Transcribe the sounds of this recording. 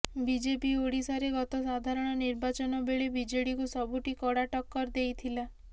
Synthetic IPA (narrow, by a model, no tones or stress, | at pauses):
bid͡ʒepioɽisaɾeɡɔt̪ɔsad̪ʱaɾɔɽ̃ɔniɾbat͡ʃɔnɔbeɭebid͡ʒeɽikusɔbʱuʈikɔɽaʈɔkːɔɾd̪ejt̪ʰila